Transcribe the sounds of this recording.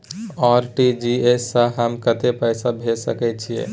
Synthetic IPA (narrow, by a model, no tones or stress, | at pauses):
ɔɾʈid͡ʒiesəɦəmkət̪epəɪsabʱesəkɛt͡ʃʰijḛ̃